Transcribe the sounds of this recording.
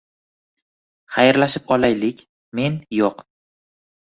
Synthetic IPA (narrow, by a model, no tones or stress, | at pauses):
χajɾlaʃɪpɒlajlɪkʲ | me̞njɒq